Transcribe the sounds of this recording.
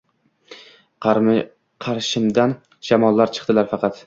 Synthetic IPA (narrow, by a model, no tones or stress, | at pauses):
qʰɑɾʃɪmd̪an | d͡ʒamɒlˠːaɾt͡ʃʰɨ̥qd̪ɪlaɾfɑqɑt̪